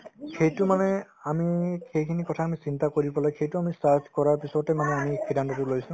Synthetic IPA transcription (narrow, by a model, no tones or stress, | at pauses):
xejtʊmanɛamixejkʰinikɔtʰaːmisintakoɹibɔlojxejtʊamisaɹd͡ʒkɔɹaɹpisɔtɛmanɛamixidʱantɔtʊlojsʊ̃